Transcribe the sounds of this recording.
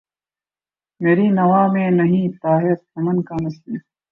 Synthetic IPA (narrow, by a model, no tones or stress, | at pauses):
meːɾiːnɐwaːmẽːnɐɦĩt̪aːɦeɾt̪ʰɐmɐnkaːmɐsliː